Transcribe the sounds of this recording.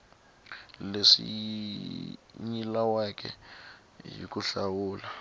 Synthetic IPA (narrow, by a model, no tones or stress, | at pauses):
lesḭ | ɲilawakʰʼɛ̰ | jḭk̬ʼuɬawuːla